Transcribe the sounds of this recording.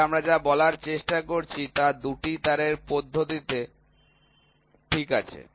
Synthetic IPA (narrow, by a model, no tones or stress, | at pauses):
amɾad͡ʑabɔlaɾt͡ɕeʃʈakoɾt͡ɕʰit̪ad̪uʈit̪aɾeɾpod̪ʱːot̪it̪e | ʈʰikat͡ɕʰḛ